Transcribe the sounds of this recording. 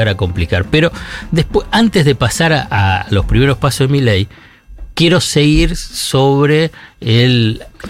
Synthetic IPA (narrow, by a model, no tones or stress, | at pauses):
aɾako̞mplikaɾpeɾo̞d̪ehpweant̪ezðepasaɾaalo̞spɾime̞ɾo̞spasozðemilej | kje̞ɾo̞seɣiɾsoβɾeːl